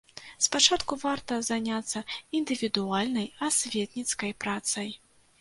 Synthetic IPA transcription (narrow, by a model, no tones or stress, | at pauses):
spat͡ʂat̪kuvart̪ɐzanʲat̪sːɐind̪ɨvʲid̪ualʲnɐjasʲvʲɛt̪nʲit̪skɐjpɾat̪sɐj